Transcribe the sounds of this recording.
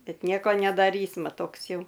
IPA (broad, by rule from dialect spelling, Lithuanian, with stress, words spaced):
ˈbʲɛt ˈnʲiɛkoː nʲɛdɐˈrʲiːsmɐ ˈtoːks ˈjɛʊ